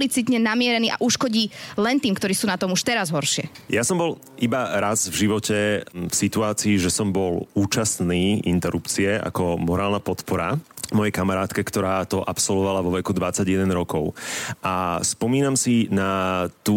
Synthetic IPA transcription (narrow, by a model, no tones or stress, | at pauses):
lit͡sit̪ɲɛnamɪɛɾɛniːʔa̰ʔuʃkɔɟiːlɛnt̪iːmkt̪ɔɾiːsuːnat̪ɔmuʃt̪ɛɾazɦɔɾʃɪɛjasɔmbɔl | ʔibaɾazvʒiʋɔcɛfsit̪uaːt͡siːʒɛsɔmbɔluːt͡ʃasniːḭnt̪ɛɾupt͡siɛa̰kɔmɔɾaːlnapɔt̪pɔɾamɔjɛjkamaɾaːt̪kɛkt̪ɔɾaːt̪ɔʔapsɔlʋɔʋalaʋɔʋɛkud̪ʋat͡sːaɟjɛd̪ɛnɾɔkɔʊʔaspɔmiːnamsinat̪u